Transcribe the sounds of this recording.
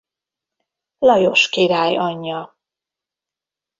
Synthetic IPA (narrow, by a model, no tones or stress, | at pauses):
lɒjo̞ʃkiɾaːjɒɲːɒ